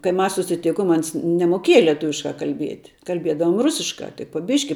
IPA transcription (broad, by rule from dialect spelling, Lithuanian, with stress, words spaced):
kɐɪ ˈmɐs sʊsʲɪˈtʲɪkoːm ˈɐns nʲɛmoːˈkʲiɛjɛ lʲiɛˈtʊʋʲɪʃkɑː kɐlʲˈbʲiɛt kɐlʲˈbʲiɛdɐʋoːm ˈrʊsʲɪʃkɑː tɐɪ poː ˈbʲɪʃʲkʲɪ